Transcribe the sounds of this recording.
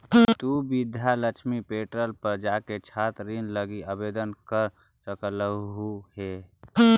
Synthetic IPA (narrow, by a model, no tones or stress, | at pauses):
t̪ubɪd̪ʱjaləkʃmipeːʈɾəlpəd͡ʒaket͡ʃʰaːt̪ɾinləɡiəbeːd̪ənkəɾ | səkləɦuhe